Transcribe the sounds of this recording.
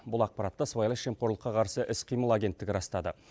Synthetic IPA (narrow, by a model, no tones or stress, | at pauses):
bʊlˠɑq̚pɑɾɑt̪ːəsvajlˠəʃe̞mqo̞ɾlˠəqːɑqʰɑɾsəʔɪsqʰijməlˠaɡʲe̞nt̪ːɪɡʲɪɾɑst̪ɑd̪ə